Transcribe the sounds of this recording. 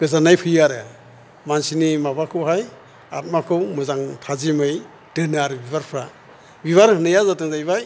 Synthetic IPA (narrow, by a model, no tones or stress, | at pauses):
ɡ̥ɯzanajpʰɯjaɾɯ̰ | mansinimabakʰɯwɦaj | at̚makʰɯwmɯzaŋtʰazimɯj | d̥ɯnaɾbiβaɾpʰɾa | biβaɾhɯnɯjazatɯŋzajβaj